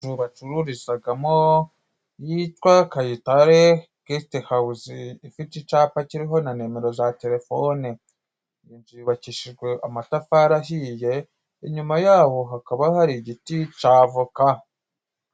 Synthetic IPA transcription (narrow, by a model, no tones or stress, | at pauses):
uβat͡ʃuɾuɾizaɡamo | jitwakajitaɾe | kistehauziːfitit͡ʃaːpaciɾiɦo̞nane̞ːme̞ɾo̞zate̞ɾe̞fone | inʒiβaciʃiʒɡwe̞ʔamatafaɾahije̞ | iɲumajaːβo̞ɦakaβahaɾiɟitit͡ʃaːvuka